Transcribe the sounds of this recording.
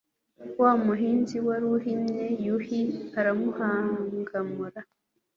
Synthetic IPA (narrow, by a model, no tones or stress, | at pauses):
waːmuɦiːnziwaɾuhinejuhiaɾamuhaːŋɡamuɾa